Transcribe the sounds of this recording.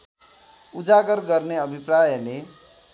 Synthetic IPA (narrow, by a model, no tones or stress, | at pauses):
ud͡zaɡʌrɡʌrneʌbʱiprajʌle